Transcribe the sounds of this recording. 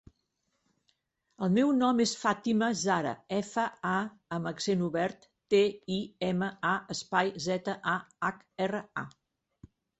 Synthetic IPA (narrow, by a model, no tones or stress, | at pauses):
əlˠmɛwnɔmesfat̪iməzaɾə̰ɛfəa | əməksenuβɛɾt̪ːeiɛməaəspajzɛt̪əʔaak | ɛrəa̰